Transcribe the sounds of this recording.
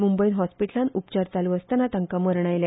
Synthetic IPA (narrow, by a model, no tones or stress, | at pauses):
mumbəinɦɔspiʈlanupt͡ɕaɾt͡saluəst̪anat̪aŋkaməɾɳ̃ajlja